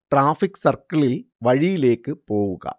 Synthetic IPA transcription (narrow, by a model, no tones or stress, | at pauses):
ʈraːfikːsɐrkɐɭilʋɐɻijileːkːɨpoːʋɯɣɐ̰